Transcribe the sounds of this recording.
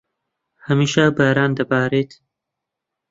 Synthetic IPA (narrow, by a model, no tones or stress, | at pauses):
hɐmiːʃabæːɾaːnd̪ɐbaːɾeːt̪ʰ